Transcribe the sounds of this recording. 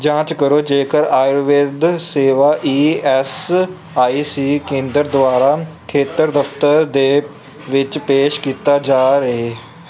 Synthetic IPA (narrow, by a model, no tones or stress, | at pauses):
d͡ʒãːt͡ʃkəɾoːd͡ʒeːkəɾaːɪɾʋɪd̪seːʋaːʔiːɛːs | aːiːsiːkẽːnd̪əɾd̪ʊʋaːɾaːkʰeːt̪əɾd̪əft̪əɾd̪eː | ʋɪt͡ʃpeːʃkiːt̪aːd͡ʒaːɾəɦeː